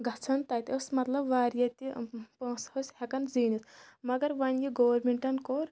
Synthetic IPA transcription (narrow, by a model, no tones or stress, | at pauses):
ɡʱɐt͡sʰɐnt̪ɐːt̪ʲəsmɐt̪lɐbʋaːɾjɐt̪ʲipɐ̃ːshosʲhekɐnziːnismɐɡɐɾʋɐnjiɡoːʋɐɾmeɳʈɐnkoːɾ